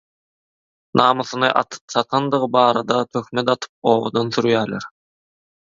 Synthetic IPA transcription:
nʔɑːmɯθɯnɯʔɑ̰t̪ʰɯ̥p̚t͡ʃ̪ʰɑt̪ʰɑnd̪ɯʁɯbɑːɾɑd̪ɑt̪ʰø̞xmet̪ɑt̪ʰɯ̥p̚oːwo̰d̪ɑnθyɾjæːleɾ

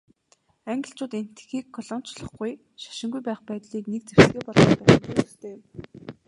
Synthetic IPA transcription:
æŋɡɪ̆ɬt͡ɕʊːt̪en̥t̪xiːkʰːɔɮɔn̥t͡ɕɮɞ̆χɡuj | ʃḁʃɪ̆ŋɡujpæːχpæːt̪ɮiːknek̚t͡sew̥sɡeːpɔɮɞ̆pæːχ̆nt̪uːə̥̆xt̪ʰeːm

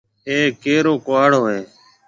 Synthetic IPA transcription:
eːkeːɾoːkʊʋaːɽoːɦeː

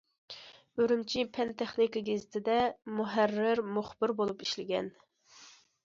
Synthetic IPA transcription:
øɾymt͡ʃʰipʰɛnt̪ʰɛχnikəɡʲezɪt̪ʰɪd̪ɛmuɦærːɪɾmuχb̥ɪɾbolˠupi̥ʃlɪɡʲɛ̰n

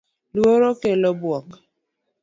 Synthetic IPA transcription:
lwoɾokelobwɔk

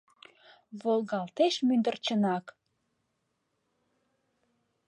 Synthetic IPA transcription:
βolɣɑlt̪eʃmynd̪ərt͡ɕənɑk

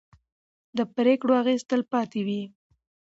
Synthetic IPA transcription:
d̪əpɾekɽoaɣest̪əlpɑt̪ewi

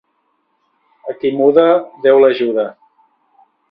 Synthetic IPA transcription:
əkimuðəðɛwləʒuðə

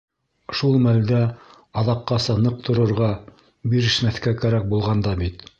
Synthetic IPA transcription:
ʃulˠmæld̪æ | ɑðɑqːɑsɑnɤq̚t̪ŏɾŏɾʁɑ | biɾɘ̆ʃmæθkækæɾæk̚bulˠʁɑnd̪ɑbit̪

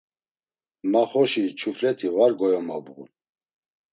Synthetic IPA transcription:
maχɔʃit͡ʃʰuflɛt̪ʰivaɾɡɔjɔmabɣṵn

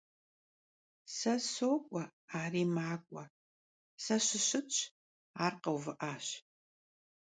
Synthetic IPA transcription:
sɐsoːkʷʼɔaːriːmaːkʷʼɔ | sɐɕɪɕɨt͡ʃʼʰ | aːrqɐwvɨʔaːɕ

